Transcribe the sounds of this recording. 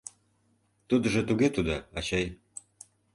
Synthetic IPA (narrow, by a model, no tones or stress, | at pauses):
t̪ud̪ə̆ʒə̆t̪uɣet̪ud̪oɑt͡ɕɑj